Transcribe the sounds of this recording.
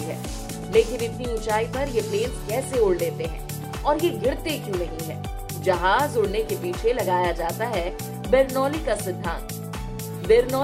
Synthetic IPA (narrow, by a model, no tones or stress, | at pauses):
iɦɛː | leːkɪnɪt̪niʊt͡ʃaːipɐɾjepleːnskɛːseʊɽleːt̪eɦɛ̰̃ː | ɔːɾjeɡɪɽt̪ekjũːnɐɦĩɦɛː | d͡ʒɐɦaːzʊɽnekepiːt͡ʃʰelɐɡaːjad͡ʒaːt̪aɦɛ | bɛːɾnɔːlikasɪd̪ʱːã̰ːnt̪ | beːɾnɔː